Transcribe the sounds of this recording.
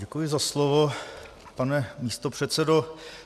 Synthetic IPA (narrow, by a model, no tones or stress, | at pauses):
ɟɛkujɪzaslovo | panɛmiːst̪opr̥ɛt̪sɛdo